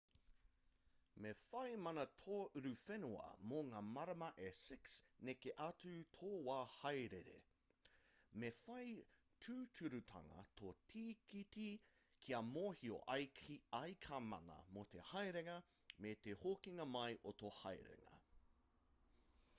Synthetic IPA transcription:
mefɐjmɐnɐt̪ʰoːʔʉɾʉfɛnuɐ̰moŋaːmɐɾɐmɐʔesɪksnekeʔɐt͡sʉt̪ʰoːwaːhɐjɾeɾḛ | mefɐj | tʰʉːtʰʉɾʉtʰɐ̰ŋɐ̰t̪ʰotʰiːkiti | kʰiɐmoːhio̰ʔɐjkiɐjkʰamɐ̰nɐ̰mot̪ḛhɐjɾeŋɐ | met̪ehokiŋɐmɐjʔot̪ohɐjɾḛŋɐ̰

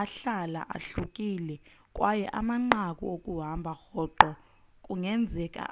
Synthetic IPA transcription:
aɬala̰ʔa̰ɬukʼilɛ | kʼwajɛʔa̰maŋ͡ǃak̬ʼṵokʼuɦambʱaxɔǃɔ | kʼuŋɛnd͡zʱɛkʼa̰

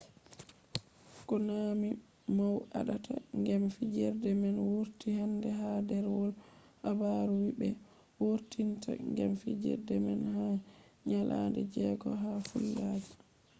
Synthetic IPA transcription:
kɔnami | mawaɗatʰa̰ŋɡɛmfid͡ʒɛɾdɛmɛnwoɾtihandɛɦadɛɾwɔl | habaɾuwibɛ | woɾtinta̰ŋɡɛmfid͡ʒɛ̰ɾdɛmɛnhaɲalʔandɛd͡ʒɛɡɔ̰ɦafulːad͡ʒi

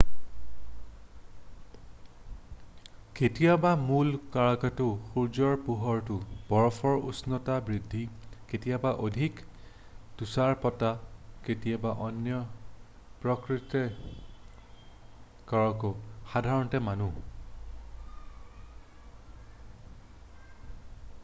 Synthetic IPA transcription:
ketijabamulkaɹakatʊxuɹd͡ʒɔɹpuɦɔɹtʊb̥ɔɹɔfʰɔɹṵsnɔtabɹidʱːiketijabaʔodʱik | d̥usaɹpɔtaketijabaʔɔnjɔ | pɹɔkɹitɛ | kaɹɔkɔxadʱaɹɔntɛmanu

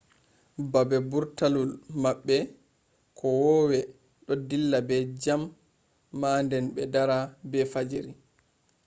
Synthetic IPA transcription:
babɛbuɾtalulmaɓːɛ | kʰɔwɔwɛ | ɗɔdilːabɛd͡ʒamː | andɛnɓɛdaɾabɛfad͡ʒiɾi

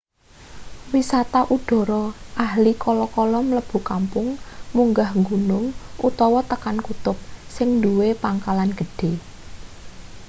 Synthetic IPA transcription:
wisat̪aʔuɖ̥ɔ̤ɾɔʔahlikɔlɔkɔlɔmələb̥ṳkampʊŋmuŋɡahŋɡunʊŋut̪ɔwɔt̪əkankut̪ʊp̚sɪŋnduwepaŋkalanɡ̥ə̤ɖ̥e̤

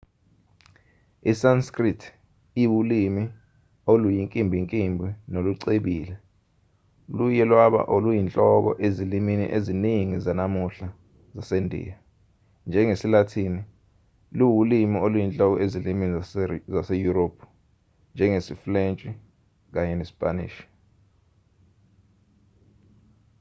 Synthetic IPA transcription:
isanskritʰ | iwulimi | olujiŋkʼimbʱiŋkʼimbʱinoluǀeɓiːlɛ | lujɛlwaɓa̰ʔolujint͡ɬʼɔɓɔ̰ʔeziliminḭʔeziniŋizanamuɬa | zasendʱḭja | nd͡ʒʱɛŋesilatʰini | luwulimiolujint͡ɬʼɔk̬ɔʔeziliminzasejuɾoːpʰu̥ | nd͡ʒʱɛŋesiflent͡ʃʼi | k̬aɲɛnesi̥pʼanḭːʃi̥

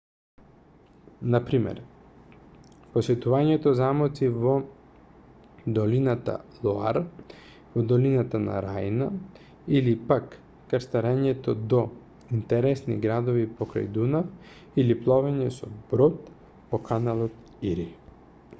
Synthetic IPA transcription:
napɾimɛ̰ɾ | posɛt̪uvaɲɛt̪ɔzamɔt̪sivɔ | d̪ɔlinat̪a̰lˠɔaɾ | vɔd̪ɔlinat̪ana̰ɾajna | ilipak | kast̪aɾɛɲɛt̪ɔd̪ɔ | int̪ɛɾɛsniɡɾad̪ɔvipɔkɾa̰jd̪una | iliplˠɔvaɲɛsɔ̰bɾɔt̪ | pɔkʰanalˠɔt̪̚ | iɾi

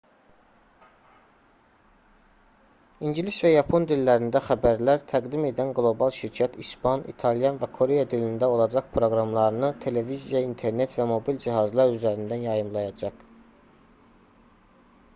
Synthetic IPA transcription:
iɲɟilisvæjɑpʰo̞nd̪ilːæɾind̪æxæbæɾlæɾt̪ʰæɡd̪ime̞d̪ænɡlˠo̞bɑlˠʃiɾcʰæt̪ʰispʰɑnḭt̪ʰɑlˠjɑnvækʰo̞ɾe̞jɑd̪ilind̪æo̞lˠɑd͡ʒɑχpʰɾo̞ɡɾɑmlˠɑɾɯnɯt̪ʰe̞le̞vizjɑint̪ʰe̞ɾne̞t̪væmo̞bild͡ʒiɦɑzlˠɑɾyzæɾind̪ænjɑjɯmlˠɑjɑd͡ʒɑq

